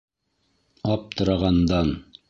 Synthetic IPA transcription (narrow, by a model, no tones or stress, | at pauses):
ɑp̚t̪ʰŏɾɑʁɑnd̪ɑn